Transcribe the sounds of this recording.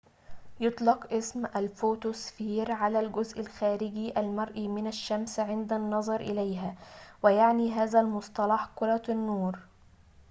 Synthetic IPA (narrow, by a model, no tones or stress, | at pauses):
jʊt̪ˤlɑqʔɪsmʔalfoːt̪osfiːɾʕalæːlɡʊzʔalxæːɾɪɡiːʔælmɑɾˤʔiːmɪnaʃːamsʕɪnd̪anːɑzˤɑɾˤʔɪlajɦæːwɪjaʕniːɦaːzælmʊsˤt̪ˤɑlɑħkʊɾˤɑt̪nːuːɾ